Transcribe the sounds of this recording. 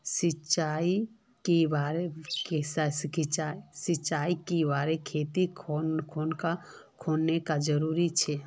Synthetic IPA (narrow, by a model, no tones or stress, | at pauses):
sɪt͡ʃaːi | kebaːɾekesaskʰɪt͡ʃaːisɪt͡ʃaːikibaːɾekʰeːt̪ikʰokʰoːnka | kʰoːnnekad͡ʒəɾuːɾit͡ʃʰɛ